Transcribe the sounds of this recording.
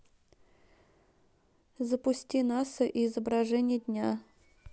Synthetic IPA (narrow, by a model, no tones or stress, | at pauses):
zəpʊsʲtʲinasəʔiːzəbɾɐʐɛnʲɪjədʲnʲa